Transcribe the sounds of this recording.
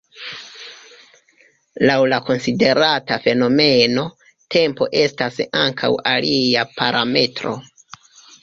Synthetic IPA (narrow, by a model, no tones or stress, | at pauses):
lawlako̞nside̞ɾatafe̞no̞me̞no̞ | tʰe̞mpo̞̰ʔe̞stasaŋkʰa̰waliapʰaɾʔame̞tɾo̞̰